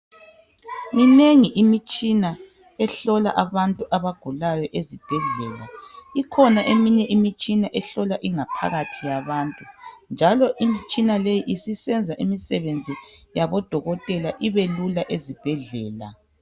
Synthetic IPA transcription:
mineŋiʔimit͡ʃʼina | ɛɬɔla̰ʔaβantʼuʔaβaɡ̥ʱulajɔʔezib̥ʱɛɮɛːlaikʰɔnaʔemiɲɛʔimit͡ʃʼinaʔɛɬɔlaʔiŋapʰa̰ɣatʰijaβaːntʼund͡ʒʱalɔʔimit͡ʃʼinalejiʔisisɛnd͡zʱaʔimisɛβend͡zʱijaβɔd̥ʱɔɣɔtʼɛlaʔiβelulaʔezib̥ʱɛɮɛːla̰

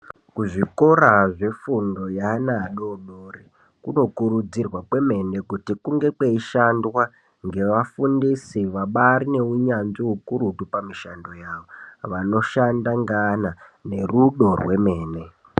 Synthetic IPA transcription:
kuʐikoɾaʐe̞fundo̞janaɗoɓoːri | kuno̞kuɾud͡zirwapwe̞me̞ne̞kutikuŋɡekwe̞iʃandwa | ŋɡe̞ʋafundisiʋaɓaɾine̞uɲanziɦukuɾutupamiʃando̞jaʋo̞ʋano̞ʃandaŋɡanane̞ruɗo̞rwe̞me̞ːne̞

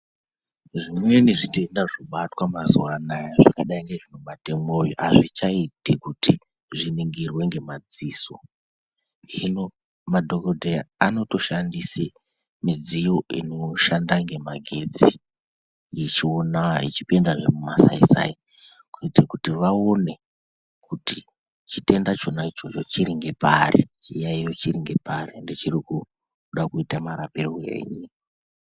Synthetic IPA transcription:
ʐimwe̞niʐitendaʐoɓatwamazuwanajaʐakaɗaiŋɡe̞ʐino̞ɓatemojo̰ʔaʐit͡ʃaitikuti | ʐiniŋɡirwe̞ŋɡe̞mad͡ziːso̞ | ɦino̞ | madʱo̞kodʱeaano̞to̞ʃandise | mid͡zijoino̞ʃandaŋɡe̞maɡʱe̞d͡zi | jet͡ʃionait͡ʃi̥pendaʐemumasa̰isa̰i | kuitrakutiʋao̞ne̞ | kuti | t͡ʃite̞ndat͡ʃo̞nait͡ʃo̞t͡ʃo̞t͡ʃiɾiŋɡe̞paɾḛt͡ʃijaijo̞t͡ʃiɾiŋɡe̞paɾendet͡ʃiriku | ɗakuitamaɾaperowe̞̰ɲi

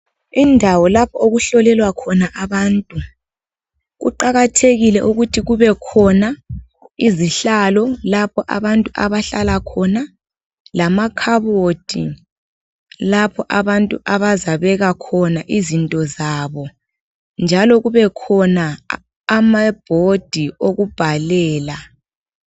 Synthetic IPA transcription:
indʱawɔlapʰɔoɣuɬɔlɛlwakʰɔnaʔaβaːntʼu | ɣṵǃaɣatʰeɣilɛʔuɣutʰiɣuβɛkʰɔna | iziɬalɔlapʰɔʔa̰βantʼuʔaβaɬalakʰɔna | lamakʰaβod̥ʱḭ | lapʰɔʔaβantʼuʔaβazaβɛɣakʰɔnaʔizintʼɔzaβɔ | nd͡ʒʱalɔɣuβɛkʰɔnaː | mab̥ʱod̥ʱioɣub̥ʱalɛːla

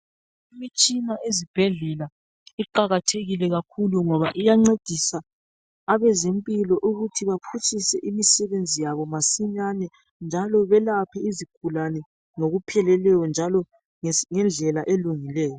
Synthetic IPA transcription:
imit͡ʃʼinaʔezib̥ʱɛɮɛla | iǃaɣatʰeɣilɛɣakʰuluŋɔβaʔijaŋ͡ǀed̥ʱisaː | βɛzempʼilɔʔuɣutʰiβapʰut͡ʃʰʼisɛʔimisɛβend͡zʱijaβɔmasiɲanɛ | nd͡ʒʱalɔβɛlapʰɛiziɡ̥ʱulanɛ | ŋoɣupʰɛlɛlɛjɔnd͡ʒʱalɔ | ŋɛnd͡ɮʱɛlaʔeluŋilɛːjɔ

